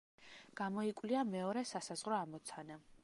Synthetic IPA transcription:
ɡ̥amɔikʼwliamɛɔɾɛsasazʁɾɔamɔt̪sʰana

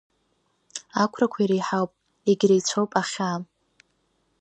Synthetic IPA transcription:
akʷʰrakʷʰaiɾejħawpʼ | eɡʲɾejt͡sʷʰowpʼaχʲa

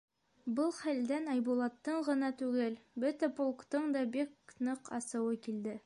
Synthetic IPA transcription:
bɤlˠχæld̪ænɑjbulˠɑt̪ːɤɴʁɤ̆nɑt̪ʉɡɘlbɵt̪æpolˠkt̪ɤɴd̪ɑbiknɤqɑ̰sɤ̆wɤkild̪ɘ

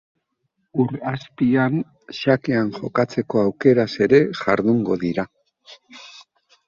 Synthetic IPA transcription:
uɾaspian | ʃakeanʝo̞kat͡se̞ko̞awke̞ɾase̞ɾe̞ʝaɾðuŋɡo̞ðiɾa

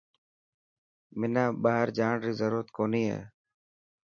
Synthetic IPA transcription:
mɪnaːɓaːɦəɾd͡ʒaːɳɾiːzəɾuːɾət̪koːniːɦḛː

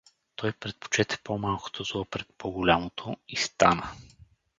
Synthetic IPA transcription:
t̪ʰɔjpɾɛt̪̚po̥t͡ʃɛt̪ɛ̥pomalˠko̥t̪ʰozlˠɔpɾɛt̪̚pʰoɡolʲamot̪ʰoist̪anə

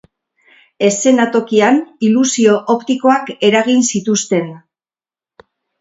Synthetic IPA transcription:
e̞se̞nat̪o̞kianilusio̞ʔopt̪iko̞ake̞ɾaɣ̞insit̪ust̪e̞n

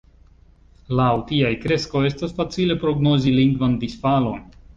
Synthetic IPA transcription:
lawtiajkɾe̞sko̞e̞stasfat͡sile̞pɾo̞ɡno̞ziliŋɡvand̪isfalo̞n

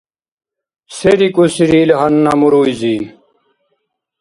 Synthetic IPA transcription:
seɾikusiɾiːlɦɐnːamuɾuːiziːn

